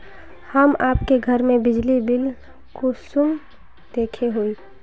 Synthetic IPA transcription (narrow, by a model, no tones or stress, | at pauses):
həmaːpkeɡʱəɾmẽbɪd͡ʒlibɪl | kosʊm | d̪̥eːkʰeɦoiː